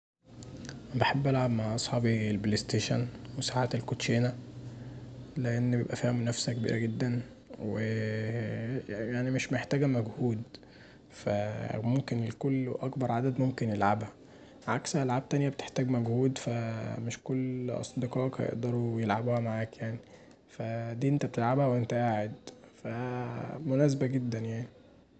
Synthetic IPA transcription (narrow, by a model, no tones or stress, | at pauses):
beħebːʔælʕabmaʕʔɑsˤħɑːbielblest̪eʃæ̰nwesaʕaːt̪elkot̪ʃeːnæ | leʔenːbeḛbʔæfæːhemunæfsækebḭːɾʔæɡed̪ːæn | we | jjaʕnimeʃmeħt̪æːɡæmæɡhuːd̪ | fæ̰momkenelkolːʔɑkbɑɾˤʕad̪æd̪momkenjelʕabhæ | mʕakshæʔælʕab̚t̪ænjæbet̪e̥ħt̪æːɡmæɡhuːd̪fæmeʃkolːʔɑ̰sˤd̪iqɑːʔkhæ̰jḛʔd̪ɑɾˤujelʕabhæmaʕaːkjaʕni | fæd̪iːʔent̪æbet̪elʕabhæwʔent̪æʔaːʕed̪fæmonæːs̬bæɡed̪ːænjaʕni